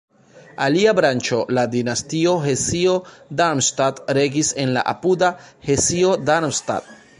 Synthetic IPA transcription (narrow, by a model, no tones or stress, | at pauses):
aliabɾant͡ʃo̞ladinastio̞ɦe̞siodaɾmstatɾe̞ɡise̞nla̰ʔa̰puda | he̞sio̞daɾmsta̰t̚